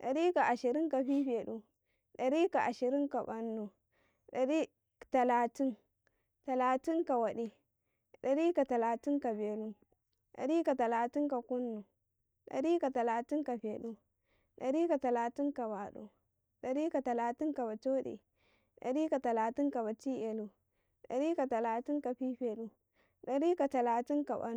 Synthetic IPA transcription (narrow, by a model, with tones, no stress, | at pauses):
ɗa˨ɾi˦ka˨ʔa˨ʃi˨ɾi˦ŋka˨ɸi˦ɸe˨ɗu˦ | ɗa˨ɾi˦ka˨ʔa˨ʃi˨ɾi˦ŋka˨ba˨nːu˨ | ɗa˨ɾi˦ | ta˨laː˨ti˦n | ta˨laː˨ti˦ŋka˨wa˨ɗi˨ | ɗa˨ɾi˦ka˨ta˨la˨ti˦ŋka˨be˨lu˦ | ɗa̰˨ɾi˦ka˨ta˨laː˨ti˦nka˨ku˦nːu˨ | ɗa̰˨ɾi˦ka˨ta˨laː˨ti˦nka˨ɸe˨ɗu˦ | ɗa̰˨ɾi˦ka˨ta˨laː˨ti˦nka˨ba˨ɗṵ˨ | ɗa˨ɾi˦ka˨ta˨la˨ti˦nka˨ba˨to˦ɗḭ˨ | ɗa̰˨ɾi˦ka˨ta˨laː˨ti˦nka˨ba˨t͡ʃi˦e˨lu˨ | ɗa̰˨ɾi˦ka˨ta˨laː˨ti˦nka˨ɸi˦ɸe˨lu˦ | ɗa˨ɾi˦ka˨ta˨laː˨ti˦nka˨ba̰˦